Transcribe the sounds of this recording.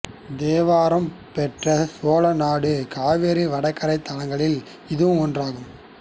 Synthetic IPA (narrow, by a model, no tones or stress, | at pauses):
d̪eːʋaːɾɐmpɛʈrɐsoːlɐnaːɽɯkaːʋeːɾiʋɐɽɐkːɐɾɐɪt̪ːɐlɐŋɡɐɭɪl | ɪðɯʋɯmɔndraːɣɯm